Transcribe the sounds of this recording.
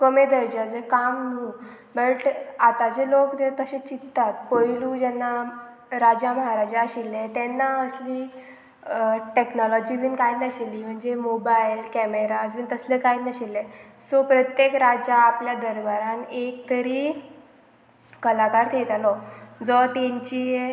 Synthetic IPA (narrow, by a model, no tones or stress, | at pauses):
kəmed̪əɾd͡ʑad͡zekamnu | bəʈat̪ad͡ʑelokt̪et̪əɕẽt͡ɕit̪ːat̪̚pəjlud͡ʑɛnːa | ɾad͡ʑaməɦaɾad͡ʑaəɕilːet̪ɛnːaəsliː | ʈeknɔlɔd͡ʑiːbinkajnəɕeliːm̤əɳd͡zemobajilkɛmeɾad͡zbiːnt̪əslekajnəɕelːe | sɔpɾət̪jekɾad͡ʑaːpljad̪əɾʋaɾãnek̚t̪əɾiː | kəlakaɾt̪ʰet̪alɔd͡zɔt̪eɲt͡ɕije